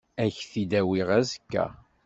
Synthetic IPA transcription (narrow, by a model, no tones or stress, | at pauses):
æçθid̪æwiʁæzəkːæ̰